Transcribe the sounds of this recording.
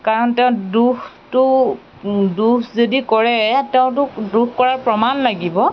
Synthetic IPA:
kaɹɔntɛʊ̃dux | tʊ | dukʰzodikɔɹɛtɛʊ̃tʊdukkɔɹaɹpɹɔmanlaɡibɔ

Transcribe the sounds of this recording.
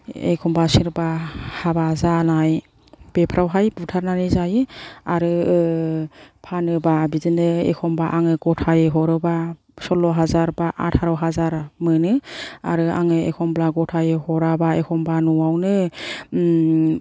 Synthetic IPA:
ḛkʰɔmbasiɾbahabazanaj | b̥epʰɾawɦajbutʰaɾnanizajɯaɾɯ | pʰanɯbabizɯnɯḛkʰɔmbaʔaŋɯɡɔtʰajeɦɔɾɯba | sɔlɔɦazaɾbaʔa̰tʰhaɾɔwɦazaɾmɯnɯa̰ɾɯa̰ŋɯḛkʰɔmblaɡɔtʰajehɔɾabaekʰɔmbanuwawnɯ

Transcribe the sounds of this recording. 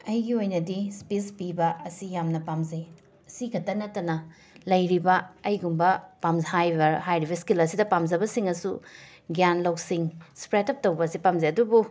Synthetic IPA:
ɐjɡiojnɐdispispibɐɐsijamnɐpamze | ɐsiɡʰɐtɐnɐtːɐnɐ | lɐjɾibɐɐjɡumbɐpamzhajbɐhajɾibɐskilɐsidɐpamzɐbɐsiŋɐsu | ɡjanlɐwsiŋspɾetɐp̚tɐwbɐsipamzeɐdubu

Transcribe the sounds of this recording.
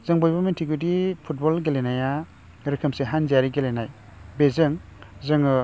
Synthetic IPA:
zɯŋbɔjbamentʰiɡudipʰut̚bɔlɡelenaja | ɾɯkʰəmseɦanzaɾiɡelenaj | bezɯŋ | zɯŋɯ

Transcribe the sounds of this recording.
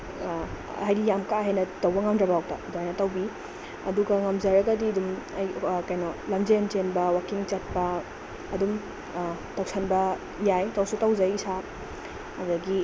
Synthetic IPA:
hajɡijamkaɦajnɐtɐwbɐŋamdɾɐbɐhawk̚tɐ̰doajnɐtɐwbi | ɐ̰duɡɐŋɐmzɐɾɐɡɐdiɐdumɐjkajnɔlɐmzent͡ʃenbɐwakiŋt͡ʃɐt̚pɐː | dum | tawsʰɐnbɐ | jajtawsutɐwzɐjsa | ɐdɐɡi

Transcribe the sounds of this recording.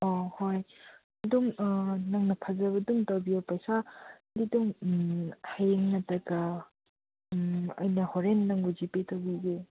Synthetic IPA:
ohoj | duŋnɐŋnɐpʰɐzɐβɐduŋtɐwbijopɐjsa | diduŋ | hajeŋnɐtɐɡɐ | ɐ̰jnɐhoɾenːɐŋɡuzipetɐwbiɡe

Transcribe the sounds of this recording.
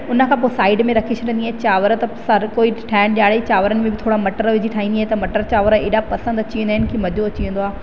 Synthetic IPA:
ʊnə̆kʰãːp̬oːsaːɪɖmẽɾɐkʰiʃɾẽːnd̪iaːet͡ɕaːʋəɾt̪ɐsɐɾkoːiʈʰɛːɪnɗijaːɭet͡ɕaːʋəɾənɪ̆mẽbɪt̪ʰoːɽamɐʈəɾʋɪd͡ʑiʈʰaːɦĩnd̪iaɦet̪ɐmɐʈəɾt͡ɕaːʋəɾeːɗapɐsə̃nd̪ɐt͡ɕiə̃nd̪aɦɪnɪkʰimɐd̪ʱoɐt͡ɕiʋə̃nd̪oaː

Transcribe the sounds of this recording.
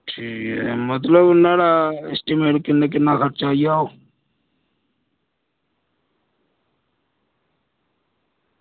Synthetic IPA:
ʈʰiːkɛmət̪ləbnəɽaɪsʈimeːʈkɪnek̬ɪnakəɾt͡ʃaːijao

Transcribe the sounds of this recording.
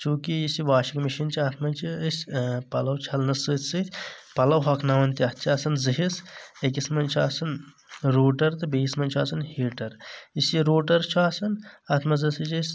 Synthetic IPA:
t͡ʃuːkiisiʋaːʃikmiʃint͡ʃʰiɐt̪ʰmɐnt͡ʃʰisʲpɐlɐwt͡ʃʰɐlnɐsɨt̪ʰʲsɨt̪ʰʲpɐlɐwɦɐkʰnɐːɐnt̪iɐt̪̚ʰt͡ʃʰiɐsɐnzɨɦisekismɐnt͡ʃʰiaːsɐn | ɾoːʈɐɾt̪ɨbismɐnʲt͡ʃʰuaːsɐnhiːʈɐɾisiɾoːʈɐɾt͡ʃʰuaːsɐnɐt̪ʰmɐzɨsɨt͡ʃis

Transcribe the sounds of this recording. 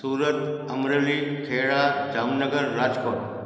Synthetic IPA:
suːɾəɾ | əmɾelikʰeːɭad͡ʒaːmnəɡəɾːaːd͡ʒkoːʈ̚

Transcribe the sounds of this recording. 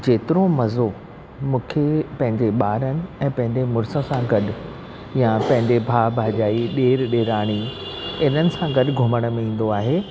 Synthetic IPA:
d͡ʑeːt̪ɪɾomɐzo | mũːkʰepɐ̃ɦɪ̃ɲd͡ʑeɓaːɾənɪ̆ɛ̃ːpɐ̃ɦɪ̃ɲd͡ʑemʊɾsə̃sãɡɐɗʊ̆ | jãpɐ̃ɦɪ̃ɲd͡ʑebʱaːbʱaːʄaːiɗeːɾɗeːɾaːɽ̃i | ɪn̤ənɪ̆sãɡɐɗɡʱʊməɽ̃̆mẽĩːn̆d̪oaːɦeː

